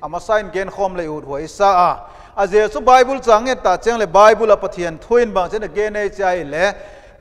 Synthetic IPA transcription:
ʔɐmɐsajnɡɛnkʰɔmlejut̚ɦujisaʔa | ʔɐzɛt͡subajbult͡saŋːɛt̚t̪at͡siəŋlɛbajbulapɐt̪ʰiənt̪ʰujinbaŋt͡sɛnɐɡɛnejt͡siajilɛ

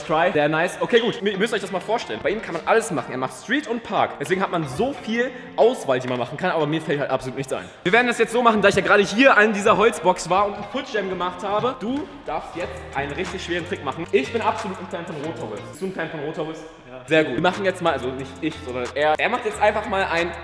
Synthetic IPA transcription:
skʁ̥aɪzeːɐnaɪsʔokʰeːɡuːtmmʏstəɔʏçd̥asmaːlfoːɐʃtɛlənbaɪʔiːmkʰanmanʔaləsmaχn̩eːɐmaχtstʁ̥iːtʊnt̚pʰaɐkd̥ɛsveːɡŋ̩hatmanzoːfiːl | ʔaʊsv̥aːldiːmanmaχn̩kʰanʔaːbɐmiːɐfɛlthaltapsoluːtnɪçt͡sʔa̰ɪnviːɐveːɐdn̩dasjɛt͡stz̥oːmaχn̩daːɪçjaːɡʁaːɾəɦiːɐʔandiːzɐɦɔlt͡sb̥ɔksv̥aːɐʊntnpʰʊtʃɛmɡəmaχthaːbəd̥uːd̥aɐfstjɛt͡stʔaɪnənʁɪçtɪçʃv̥eːʁən̩tʰʁ̥ɪkmaχn̩ʔɪçb̥ɪnʔapz̥oluːtn̩fɛːnfɔnʁoːtʰɔʁɪsɪ̥std̥uːnfɛːnfɔnʁoːtʰɔʁɪs | zeːɐɡuːtimaχn̩jɛt͡stmaːlʔazonɪçtʔɪçz̥ɔndɐnʔeːɐʔeːɐmaχtjɛt͡stʔaɪnfaχmaːlʔaɪn

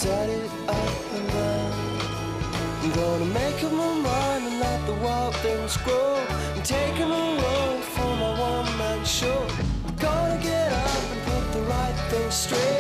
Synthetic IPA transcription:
d̥ʌɾɪɾ | apɨ̃na | jɨɡʌnəmeɪkʌvməmãɪ̃ndɨ̃nlɛt̪̚ðəwaɪlˠd̪̚θɪ̃ŋzɡɹoʊ | ɨ̃ntʰeɪkɨ̃nməlo | fɹʌ̃maɪwʌ̃nmãnʃɔɹ | ɡ̥ʌ̃nɨɡɛɾʌpɨ̃npʰʊt̪̚ðəɹaɪt̪̚θɪ̃ŋstɹ̥eɪ

